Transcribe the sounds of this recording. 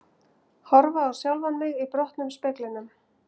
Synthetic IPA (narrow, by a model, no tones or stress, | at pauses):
hɔɾvaːwsjawlvanmɪɣipɾɔht̪nʏmspɪːklɪnʏm